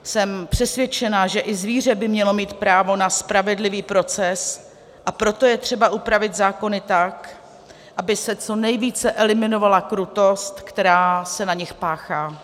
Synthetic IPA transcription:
sɛmpr̝̥ɛsvjɛt͡ʃɛnaʒɛʔɪzviːr̝ɛbɪmɲɛlo̞miːt̪pɾaːvo̞naspɾavɛdlɪviːpɾo̞t͡sɛs | ʔapɾo̞t̪o̞jɛt̪r̥ɛbaʔupɾavɪt̪zaːko̞nɪt̪ak | ʔabɪsɛt͡so̞nɛjviːt͡sɛʔɛlɪmɪno̞valakɾut̪o̞st̪kt̪ɛɾaːsɛnaɲɪxpaːxaː

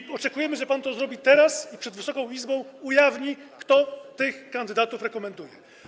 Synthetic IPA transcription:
ɔt͡ʂɛkujɛmɘʐɛpant̪ɔzɾɔbʲit̪ɛɾasipʂɛd̪vɘsɔkɔ̃w̃izbɔ̃w̃ujavɲikt̪ɔt̪ɘxkːand̪ɘd̪at̪ufɾɛkɔmɛnd̪ujɛ

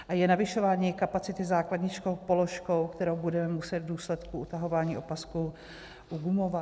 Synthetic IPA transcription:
ʔajɛnavɪʃo̞vaːɲiːkapat͡sɪt̪ɪzaːkladɲɪt͡ʃkowpolo̞ʃko̞wkt̪ɛɾowbudɛmɛmusɛt̪vduːslɛt̪kuʔut̪aɦo̞vaːɲiːo̞pasku | ʔuɡumova

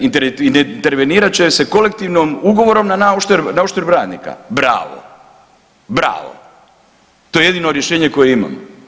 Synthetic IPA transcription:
int̪eint̪eɾʋeniːɾat͡ɕese̞ko̞lek̚t̪iːʋnomuɡo̞ʋo̞ɾo̞mnanaoʃt̪eɾnaoʃt̪eɾbɾaːd̪nḭka̰bɾa̰ːʋo̰ | bɾa̰ːʋo̰ | t̪o̞je̞je̞d̪inoɾjeʃeːɲeko̞jeima̰mo

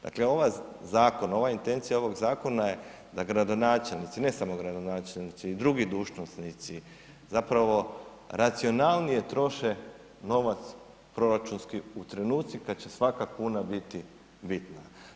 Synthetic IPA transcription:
d̪a̰kleo̞ʋazaːko̞no̞ʋaint̪e̞nt̪sijao̞ʋo̞ɡzaːko̞naje̞ | d̪aɡɾad̪o̞naːt͡ʃelnit̪sine̞samo̞ɡɾad̪o̞naːt͡ʃelnit̪siːd̪ɾuɡid̪uːʒnosnit̪si | zapɾaʋo̞ | ɾat̪sio̞nalˠnije̞t̪ɾo̞ʃe | no̞ʋat̪s | pɾo̞ɾat͡ʃunskiut̪ɾe̞nuːt̪sikad̪t͡ʃe̞sʋakakuːnabit̪i | bit̪na

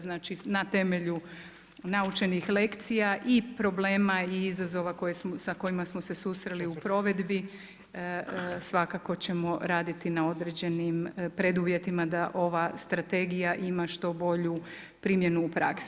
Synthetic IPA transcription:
znaːt͡ʃinat̪e̞me̞ʎu | naut͡ʃe̞nixle̞kt̪sijaʔipɾo̞bleːmaiizazo̞ʋako̞jesmosako̞imasmose̞susɾeliupɾo̞ʋe̞d̪bi | sʋakako̞t͡ɕe̞mo̞ɾaːd̪it̪inao̞d̪ɾe̞d͡ʑe̞nimpɾed̪uʋje̞t̪imad̪aʔo̞ʋast̪ɾat̪e̞ɡijaʔimaʃt̪o̞bo̞ʎu | pɾimje̞nuːpɾa̰ks

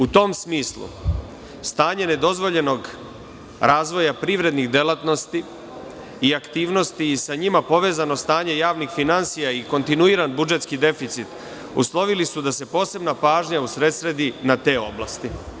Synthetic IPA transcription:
ut̪o̞msmiːslˠṵ | st̪aːɲe̞ne̞d̪o̞zʋo̞ʎe̞no̞ɡ | ɾʔaːzʋo̞japɾiʋɾe̞d̪nixd̪e̞lat̪no̞st̪i | iakt̪iːʋno̞st̪iːsaɲimapo̞ʋe̞ːzano̞st̪aːɲe̞jaːʋnixfinansijaiko̞nt̪inuiːɾanbud͡ʒe̞t̪skid̪e̞fit̪sit̪ | ṵslˠo̞ʋilisud̪ase̞po̞ːse̞bnapaːʒɲausɾe̞t̪sɾe̞d̪inat̪e̞ːo̞blˠast̪i

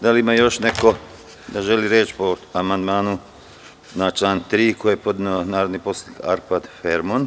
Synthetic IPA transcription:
d̪aliimaːjo̞ʃneko̞ | d̪aʒe̞liɾeːt͡ʃpo̞amand̪maːnu | nat͡ʃlˠaːnt̪ɾiːkojepod̪naːɾod̪niposika̰ɾpad̪feɾmon

